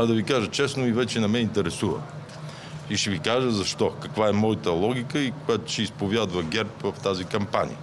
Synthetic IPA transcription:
d̪ɐvikaʒət͡ʃɛsnoivɛt͡ʃɛnɐmɛint̪ɛɾɛsuvə̰ | iʃɛvikaʒəzɐʃt̪ɔkɐkvaɛmɔjət̪əlˠɔɡʲikəikʊjat̪ʊ̥ʃɛispovjad̪vəɡʲɛɾpvɐft̪azikɐmpanʲḭə̰

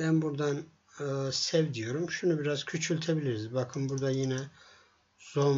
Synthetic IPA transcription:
bænbuɾd̪an | ɯːsɛvd̪ijo̞ɾumʃunubiɾaz̥cʰyt͡ʃʰylʲt̪ʰebilʲiɾizbakʰɯnbuɾd̪ajinɛ | z̥on

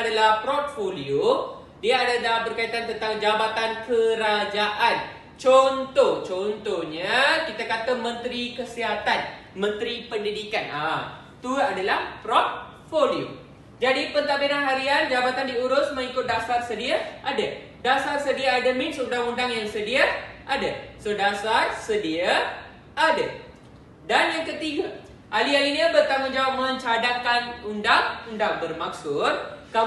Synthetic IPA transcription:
dalahpɾɔt̪̚folio | diaadadabərkait̪ant̪ənt̪aŋd͡ʒabat̪ankəɾad͡ʒaʔan | t͡ʃɔnt̪ɔht͡ʃɔnt̪ohɲakit̪akat̪amə̃nt̪ɾikəsiɦat̪at̪̚ | mə̃nt̪ɾipəndidikana | t̪uadalahpɾɔt̪̚ | folio̰ | d͡ʒadipənt̪aʔbidanɦaɾiand͡ʒabat̪andiuɾʊsmə̃ŋikʊt̪̚dasarsədiaʔadə | dasarsədiaːdəmĩnsundaŋundaŋjaŋsədiaʔadasodasarsədia | adə | danjaŋkət̪iɡa | ʔalialiniəbərt̪aŋʊnd͡ʒawap̚mə̃ɲt͡ʃadaŋkanundaŋundaŋbərmak̚sʊt̪̚ka

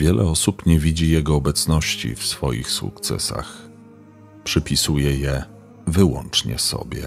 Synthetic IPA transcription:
vʲjɛlʔɛɔsupɲɛvʲid͡ʑijɛɡɔːbɛt̪snɔɕt͡ɕḭfsfɔjḭxsṵkt̪sɛ̰sax | pʂɘpʲisujɛjɛ | vɘwɔ̰nt͡ʂɲɛ̰sɔ̰bʲjɛ̰

